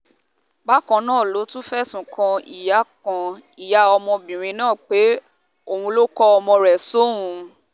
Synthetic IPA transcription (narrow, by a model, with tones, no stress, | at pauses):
ba˦kã˧nãː˦˨lo˨˦tũ˦fɛ˦sũ˨kʰã˧i˨ja˨˦kã˧i˨ja˨˦ɔ˧mɔ̃˧bĩ˨ɾ̃ĩ˧˦nãː˦˨k͡pe˨˦ | o˧˨hũ˧lo˦kɔ˧ɔ˧mɔ̃˧ɾɛ˨so˦ũ˨˧